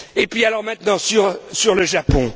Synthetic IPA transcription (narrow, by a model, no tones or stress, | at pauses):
epɥialɔʁmɛ̃t̪nɑ̃syʁsyʁləʒapɔ̃